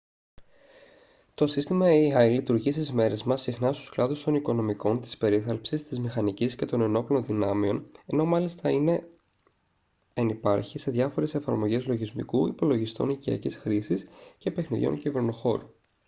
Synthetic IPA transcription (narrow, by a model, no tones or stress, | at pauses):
t̪o̞sist̪imɐeɐjlit̪uɾʝisizme̞ɾe̞zmɐsixnɐst̪usklɐðust̪o̞niko̞no̞miko̞nt̪ispe̞ɾiθɐlpsist̪izmixɐnicisce̞t̪o̞ne̞no̞plo̞nðinɐmio̞ne̞no̞mɐlist̪ɐine̞ | ɐnipɐ̰ɾçise̞ðʝɐfo̞ɾe̞se̞fɐɾmo̞ʝezlo̞ʝizmḭkuipo̞lo̞ʝist̪o̞̰niciɐ̰cisxɾisisce̞pe̞xniðʝo̞̰nciveɾnuxo̞ɾu